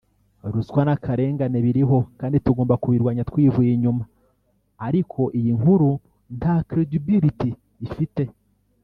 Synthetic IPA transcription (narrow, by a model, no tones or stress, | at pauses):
ɾuskwanakʰaɾe̞ːŋɡaneβiɾiɦo̞kaːndituɡo̞ːmbakuβiɾɡwaːɲatwiːvujiɲumaː | ɾikʰo̞ʔijiŋhuɾu | nakɾidibiɾitiː | fite̞